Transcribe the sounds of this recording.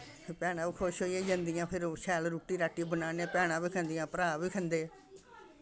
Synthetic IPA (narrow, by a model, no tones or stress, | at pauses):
pʰpɛːɽ̃ãːbiːkʰoʃɦoːieːd͡ʒə̃nd̪ɪjãːpʰɪɾʃɛːlɾuːʈːiːɾaːʈiːbənaːneːpɛːɽ̃ãːbiːkʰə̃nd̪ɪjãːpəɾaːbiːkʰənd̪eː